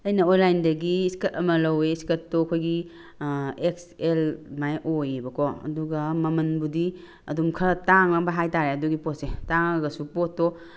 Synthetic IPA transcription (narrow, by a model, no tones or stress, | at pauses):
ɐjnɐonlajndɐɡiːskɐtɐmɐlɐweiskɐttːokʰojɡi | ekselmajʔojebɐkʰɔɐ̰duɡɐmɐmɐnbudi | ɐdumkʰɐtaŋɐbɐɦajtaɾeɐduɡipot̚setaŋaɡɐsupotːɔ